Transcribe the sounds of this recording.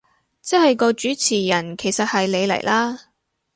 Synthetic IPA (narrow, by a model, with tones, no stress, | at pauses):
t͡sɛ˥hɐ˨jkɔː˧t͡ʃyː˨˥t͡sʰiː˨˩jɐ˨˩nkʰe˨˩jsɐ˨t̚hɐ˨jle˨˧jlɐ̰˨˩jlʔaː˥